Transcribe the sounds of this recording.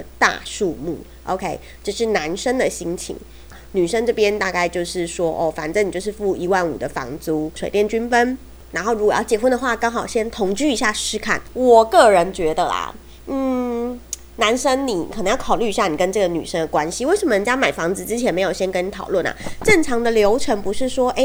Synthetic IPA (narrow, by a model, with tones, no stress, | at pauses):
t̪a̰˥˧ʂu˥˧mṵ˥˩ | ʔo̰˧˥ʊkʰe˥ɪ | ʈ͡ʂɤ˥˧ʂɻ̩˥˩na˧˦nʂə˥ŋd̪ə˨ɕi˥ŋt͡ɕʰḭ˨˥ŋ | ny˨˩ʂə˥ŋʈ͡ʂɤ˥˩pjɛ˥nt̪a˥˧ka˥˧ɪt͡ɕjo˥˧ʊʂɻ̩˥˩ʂwɔ˦˥ʔɔ̰˥˩fa˨˩nt͡sə˧ni˨˩t͡ɕo˥˧ʊʂɻ̩˥˧˩fu˥˩i˧˥wa˥˩nṵ˨˩d̪ə˦fɑ̰˧˥ŋt͡su˧˥ʂwe˨˩ɪt̪jɛ˥˩nt͡ɕy˥nfə˥n | na˧˥nxo˥˩ʊɻu˧˥ɡɔ˨˩jɑ˥˩t͡ɕjɛ˨˩fwə˥˩nd̪ə˨xwa˥˩kɑ˥ŋxɑ˨˩ʊɕjɛ˥nt̪ʰʊ˧˥ŋt͡ɕy˥˩i˧˥ɕja˥˩ʂɻ̩˥kʰa̰˥˩nwɔ˨˩kɤ˥˩ɻə˧˦˥nt͡ɕɥɛ˧˥d̪ə̰˨lɐ̰˨˩ | n̩˥˩ | na˧˥nʂə˥ŋni˨˩˦nə˧ŋjkʰɑ˨˩ly˥˧i˧˥ɕja˥˩ni˨˩kə˦nʈ͡ʂɤ˥˩ɡə˩ny̰˨˩ʂə˥ŋd̪ə˨˩kwa˦nɕi˧˦we˥˩ɪʂə˧˩mənə˧˥nt͡ɕja˥ma˨˩ɪfɑ˧˥ŋd͡zɹ̩˨˧ʈ͡ʂɻ̩˥t͡ɕʰjɛ˧˥nme˧˥ɪjo˨˩ʊɕjɛ˥nkə˥ni˨˩t̪ʰɑ˨˩ʊwə˥˩nɐ̰˨˩ʈ͡ʂə˥˩ŋʈ͡ʂʰɑ˧˥ŋd̪ə˧ljo˧˥ʊʈ͡ʂʰə˧˥ŋpu˧˥ʂɻ̩˥˩ʂwɔ˥ʔe˥˩ɪ